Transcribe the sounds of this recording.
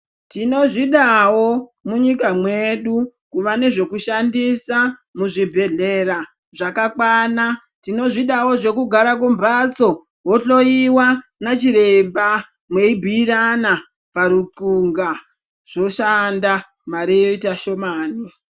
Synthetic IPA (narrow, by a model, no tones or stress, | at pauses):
tino̞ʐiɗawo̞muɲikamweɗukuʋane̞ʐe̞kuʃandisamuʐibʱe̞ɮe̞ɾa | ʐakakwana | tino̞ʐiɗawo̞ʐe̞kuɡʱaɾakumbat͡so | woɬo̞iwanat͡ʃiɾe̞mba | mwe̞ibʱiːɾana | paɾup͡fuŋɡa | ʐ̥o̞ʃanda | maɾijoitaʃo̞maːni